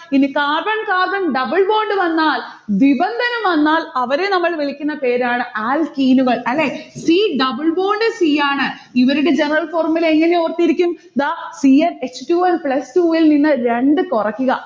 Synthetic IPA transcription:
inikaːrbɐɳkaːrbɐɳɖɐbɨɭbo̞ːɳɖɨʋɐnːaːlʋibɐnd̪ʱɐnɐmʋɐnːaːlɐʋɐɾenɐmːɐɭʋelikʲːunːɐpe̞ːɾaːɳɨʔaːlkiːnuɣɐɭɐlːeːsiːɖɐbɨɭboːɳɖɨsiːjaːɳɨ | iʋɐɾuɽed͡ʑenɐrɐɭfo̞ːrɐmːileŋːɐne̞oːrt̪ijiɾikʲːum | d̪aːsiɐnestuːɐlpɭɐstuːilninːɨɾe̞ɳɖɨkurɐkʲːuɣɐ

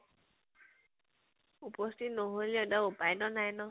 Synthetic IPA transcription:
upɔstʰitnɔɦoliɔdaupajdɔnajnɔ

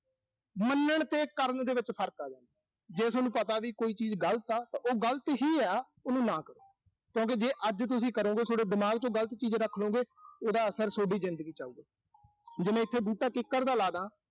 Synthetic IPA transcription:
mənːəɳt̪ẽːkəɾnd̪eːʋɪt͡ʃpʰəɾkaːd͡ʒãːnd̪aː | d͡ʒeːsːnũːpət̪aːʋiːkoːiːt͡ʃiːzɡəlt̪aːt̪ãːʔoːɡəlt̪ɦiːɛː | ʊnũːnãːkəɾo̰ː | kjõːk̬ɪd͡ʒeːʔəd͡ʒt̪̬ʊsĩːkəɾõːɡeːsoːɽeːd̪ɪmaːɡt͡ʃõːɡələt̪t͡ʃiːd͡ʒɾəkʰlõːɡeːoːd̪aːəsəɾsoːɖiːzɪnd̪əɡiːt͡ʃaːuːɡeː | d͡ʒɪmẽːɪt̪ʰːeːbuːʈaːkɪkːəɾd̪aːlaːd̪ãː

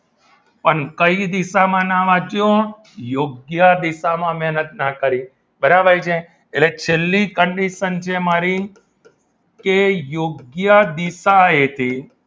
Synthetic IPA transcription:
pəɳkəid̪isamãnaʋad͡ʒjõ | joɡjəd̪isamãmɛɦnət̪nakəɾi | bəɾabəɾjt͡ʃʰeː | let͡ʃʰelːikəɳɖiʃənt͡ʃʰemaɾi | kejoɡjəd̪isaet̪ʰi

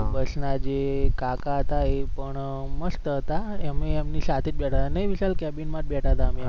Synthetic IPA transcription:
bəsnad͡ʒekakaɦət̪aepəɳ | məst̪əɦət̪aemeːmnisat̪ʰed͡ʒ̚bɛʈʰat̪anəɦiʋiʃalkɛbinmãt̪̚bɛʈʰaət̪aəme

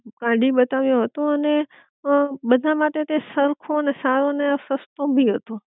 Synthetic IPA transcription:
kãɖiɓət̪aʋjõɦət̪õəne | bəd̪ʱamaʈet̪esəɾkʰonesaɾoneasəst̪õbʱiɦət̪o

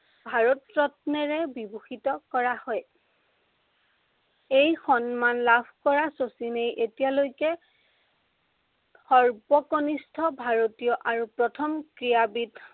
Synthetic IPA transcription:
bʱaɹɔtɹɔtnɛɹɛbibuxitɔkɔɹahɔj | ejxɔnmanlabʱkɔɹasosinejʔetijalojkɛ | xɔɹbɔkonistʰɔbʱaɹotijɔʔaɹupɹɔtʰɔmkɹijabit

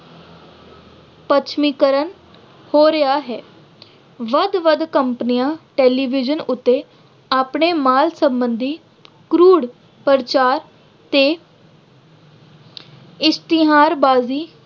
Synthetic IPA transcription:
pət͡ʃʰmiːkəɾən | hoːɾəjaːɦɛː | ʋəd̪ʋəd̪kəmpnijãːʈeːliːʋɪd͡ʒənʊt̪ːeː | aːpɳeːmaːlsəmbənd̪iː | kɾuːɽ | pəɾt͡ʃaːɾ | t̪eː | ɪst̪ɪɦaːɾbaːziː

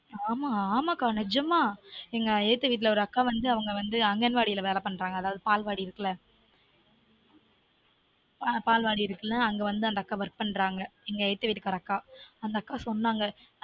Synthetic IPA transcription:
aːmaːaːmaːkaːnɛɾd͡ʒɐmaːɛŋɡɐɛɻɯt̪ːɯʋiːʈ̬ːɪlɐɔɾɯɐkːaːʋɐnd̪ɯɐʋɐŋɡɐʋɐnd̪ɯɐŋɡɛnʋaːɽijɪlɐʋeːlɐpɐɳɾaːŋɡɐːðaːʋɐðɯpaːlʋaːɽiɪɾɯkːɐlɐ | papaːlʋaːɽiɪɾɯkːɐlɐɐŋɡɐʋɐnd̪ɯɐnd̪ɐkːaːʋɐɾk̚pɐɳɾaːŋɡɐɛŋɡɐɛɻt̪ːɯʋiːʈːɯkːɐɾɐɐkːaːɐnd̪ɐːkːaːsɔnːaːŋɡɐ

